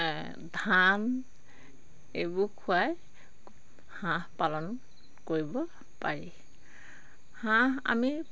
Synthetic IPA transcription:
dʱan | ebukʰuaj | hãhpalɔn | koɹibɔ | paɹi | hãa̰mi

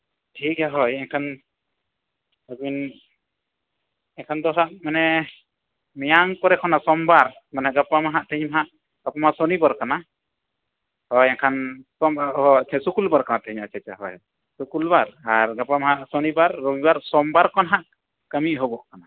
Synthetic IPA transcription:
ʈʰikaɦɔjɛkʰan | əbin | ɛkʰand̪ɔɦaʔmanɛ | mɛjaŋkɔɾɛkʰɔnasɔmbaɾ | manaɡapamaɦaʔt̪ʰəɲmaɦaʔ | ɡ̥apamasɔnibaɾkana | hɔjɛkʰansɔɦɔt͡ʃʰɛsukulbaɾkanat̪əɲat͡ʃʰɛt͡ʃa̰ɦɔ̰j | sukulbaɾaɾɡapamaɦaʔsɔnibaɾːɔbibaɾsɔmbaɾkɔnɦaʔ | kəmiʔɦɔbɔʔkana

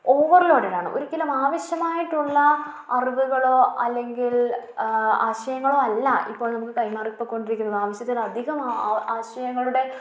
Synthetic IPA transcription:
oːʋɐriloːɽeɾaːɳɨ̰ʔo̰ɾukʲːɐlɐmaːʋɐɕjɐmaːjiʈːuɭːɐ | ɐriʋuɣɐɭo̞ːɐlːe̞ŋɡil | a̰ːɕɐjɐŋːɐɭo̞ːɐlːɐḭpːo̞ːɭnɐmukːɨkɐjmaːrkpːokːko̞ɳɖiɾikʲːunɐðɨaːʋɐɕjɐt̪̬ːilɐd̪ʱiɣɐmaːɕɐjɐŋːɐɭuɽe̞

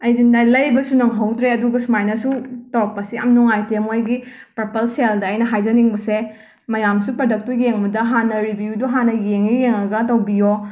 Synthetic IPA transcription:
ɐjdindalɐjbɐsunɐŋɦɐwtɾeɐduɡɐsumajnɐsutok̚pɐsiɐmnuŋajtemojɡi | pɾɐpɐlseldɐːjnɐɦajd͡ʒɐniŋbɐse | mɐjamsupɾodɐk̚tujeŋbɐdɐɦanɐɾibjuduɦanɐjeŋijeŋɐɡɐtɐwbijo

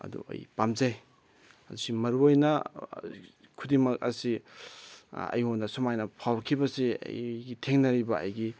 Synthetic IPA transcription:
ɐ̰dṵɐ̰jpamzaj | ɐdusimɐɾuojnɐ | kʰudimɐk̚ɐ̰si | ɐ̰jhonːɐsumajnɐpʰawkʰibɐsiɐ̰jɡitʰeŋnɐɾibɐ̰ːjɡi

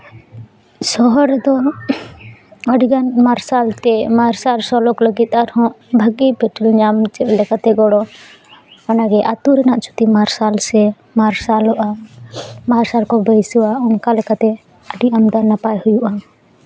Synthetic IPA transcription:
sɔɦɔɾd̪ɔ | əɖiɡanmaɾsalt̪ɛmaɾsalsɔlɔkləɡit̪aɾhɔ̃ | bʱəɡibɛʈəlɲaːmt͡ʃɛblɛkat̪ɛɡɔɽɔ | anaɡɛʔat̪uɾɛnaʔt͡ʃu̥t̪imaɾsalsɛ | maɾsalɔʔa | maɾsalkɔbəjsuaʊnkalɛkat̪ɛ | əɖiʔəmd̪aɾnapajhʊjuʔa

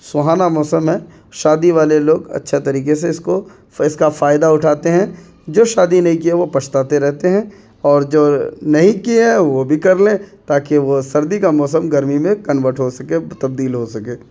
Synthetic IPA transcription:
sʊɦaːnamɔːsəmɦɛ̃ | ʃaːd̪iʋaːleloːɡɐ̰tːʃʰet̪ɐɾiːkes̬eɪsko | ɪskafaːjd̪aʊʈʰaːt̪eɦɛ̃ | d͡ʒoːʃaːd̪inɐɦĩkieʋopɐt͡ʃʰt̪aːt̪eɾɛɦt̪eɦɛ̃ | ɔːɾd͡ʒoːnɐɦĩkieɛʋobʱikɐɾlẽt̪aːkeʋosɐɾd̪ikamɔːs̬əmɡɐɾmimẽkɐnʋəʈʰɦosɐket̪ɐb̚d̪iːlɦosɐkeː

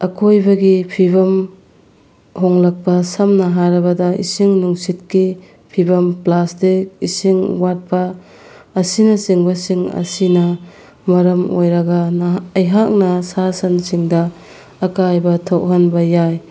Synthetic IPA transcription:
ɐkʰojbɐɡipʰibɐm | hɔŋlak̚pɐsɐmnɐɦaɾɐbɐdɐʔḭsiŋnuŋsit̚ki | pʰibɐmplastik̚isiŋwat̚pɐː | sinɐsiŋbɐsiŋɐ̰sinɐ | mɐɾɐmo̰jɾɐɡɐnːjɦak̚nɐsasɐnsiŋdɐː | kajbɐtʰɐwɦanbɐjaj

